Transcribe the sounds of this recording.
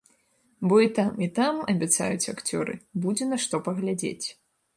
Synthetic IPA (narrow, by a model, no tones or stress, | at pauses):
bɔit̪amit̪amɐbʲat̪sa̰jut͡sʲakt͡sʲɔ̰ɾɨ̰bud͡zʲɛnɐʂt̪ɔpɐɣlʲad͡zʲḛt͡sʲ